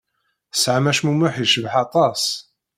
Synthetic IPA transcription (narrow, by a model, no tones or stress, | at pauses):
sʕamæʃmumʊħiʃəvħɑt̪ˤɑs